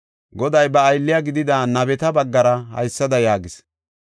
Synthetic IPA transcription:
ɡɔd̪ɐjbɐːjlːɪjaɡɪd̪ɪd̪aːnɐbɛt̪ɐbɐɡːɐɾɐhɐ̰jsːɐd̪ɐjaːɡɪs

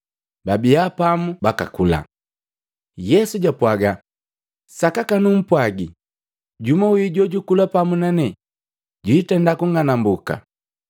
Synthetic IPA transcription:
babiapamubaka̰kula̰ | jɛsuɟapwaɡa | sakakanum̩pwaɡi | ɟumawiɟɔɟukulapamunanɛ | ɟwiːtɛndakuŋanambuka̰

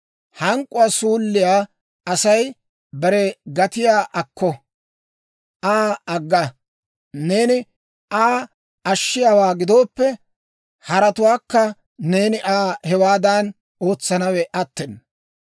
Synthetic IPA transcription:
hɐŋkʼːʊwaːsuːlːɪjaː | ɐsɐj | bɛɾɛɡɐt̪ɪjaːʔɐkːɔ | ʔaːɐɡːɐ | ne̞ːnɪ | aː | ɐʃːɪjaːwaːɡɪd̪o̞ːpːɛ | hɐɾɐt̪ʊwaːkːɐ | ne̞ːnɪʔaːhɛwaːd̪ɐn | o̞ːt͡sːɐnɐwɛʔɐt̪ːɛn

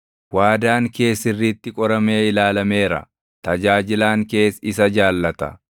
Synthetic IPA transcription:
waːd̪aːŋke̞ːsːɪrːiːt̪ːɪkʼɔɾɐme̞ːɪlaːlɐme̞ːɾɐ̰ | t̪ɐd͡ʒaːd͡ʒɪlaːŋke̞ːsɪsɐd͡ʒaːlːɐt̪ɐ̰

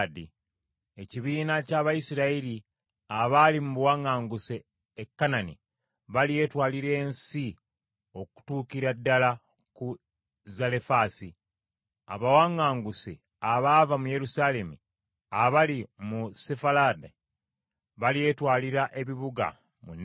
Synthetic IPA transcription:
di | e̞ciβiːnacaβajisiɾaiɾi | aβalimuβuwaŋːaːŋɡuseː | kːanani | βalije̞ːtwaːliɾe̞ːnsi | o̞ku̥tuːkiɾadːala | ku | zalefaːsi | a̰βawaŋːaːŋɡuse | aβaːvamuje̞ɾusale̞mu | aβalimusefalade | βalije̞ːtwaːliɾaʔe̞βiβuɡa̰ | munː

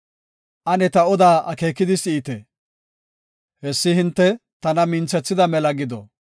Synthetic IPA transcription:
ʔɐnɛt̪ɐɔd̪aːɐke̞ːkːɪd̪ɪsɪːt̪ɛ | hɛsːɪhɪnt̪ːɛt̪ɐnɐmɪnt͡sːɛt͡sːɪd̪ɐmɛlɐɡɪd̪ɔ̰

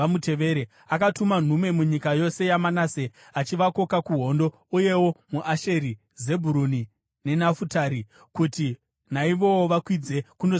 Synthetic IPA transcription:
amute̞ʋe̞ɾe | akatuman̤umwe̞muɲikajo̞se̞jamanase̞ | at͡ʃiʋako̞kakuɦo̞ndo̞ | uje̞wo̞muʔaʃe̞ɾi | ze̞bʱuɾuni | ne̞nafutaːɾi | kuti | naiʋo̞woʋakwid͡ze̞kuno

